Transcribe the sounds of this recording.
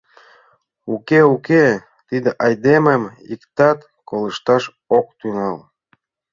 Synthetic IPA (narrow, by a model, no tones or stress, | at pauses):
ukeuke | t̪id̪eʔɑjd̪eməmḭkt̪ɑt̪ | koləʃt̪ɑʃ | ok̚t̪ynɑl